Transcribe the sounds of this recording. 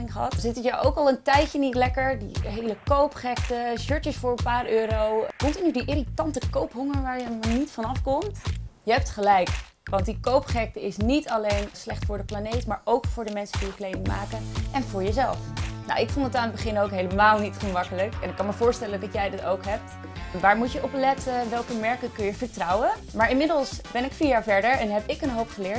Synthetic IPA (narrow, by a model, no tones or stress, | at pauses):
ɪŋχəɦɑtzɪtəjawʔowkɑlˠəntɛjcənitlɛkəɹdḭɦejləkowpχɛktəʃøɹtəsfʊːɹənpaːɾøːɾowkʊntinydiʔɪɾitɑntəkowpɦʊŋəɹʋaːɹjəmanitfɑnɑfkɔmtjəɦɛp̚tχəlɛjk | ʋɑntdikowpχɛk̚təɪsnitɑlejnslɛχtfʊːɹdəplanejtmaːɹowkfʊːɹdəmɛnsədijəklejnɪŋma̰ːkəʔɛnvʊːɹjəzɛlˠfna̰wɪkfondətaːnədbəχɪnowkɦejləmaːlˠnitχunmɑkələkɛ̰nɪkːɑnməvʊːɹstɛlədɑtjɛjdɪtowkɦɛp̚t | ʋaːɹmutjəʔɔplɛtʰəʋɛlˠkəmɛɹkəkɵnjəvəɹtrɑwə | maːɹɪnmɪdəlˠsb̥ɛnɪkfiːɹjaːɹvɛɹdəɹɛnɦɛpɪkənɦowpχəlɪːɹt